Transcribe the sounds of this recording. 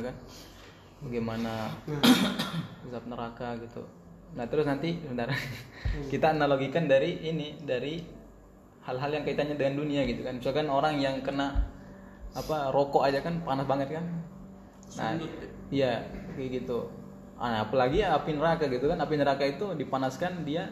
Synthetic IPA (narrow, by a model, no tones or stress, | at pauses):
kan | baɡejmana | səsap̚nəɾakaɡit̪ṵ | nat̪əɾʊsnant̪isəbədaɾa | kit̪aːnaloɡikandaɾiʔːnidaɾi | halɦaljaŋkait̪anɲadəŋanduniaɡit̪ukanbit͡ʃalkanoɾaŋjaŋkəna | aparokoʔad͡ʒakanpanasbaŋət̪̚kan | na̰ | ijaɡit̪u | a̰ːpalaɡiːpinəɾakaɡit̪ukanapinəɾakait̪udipanaskandia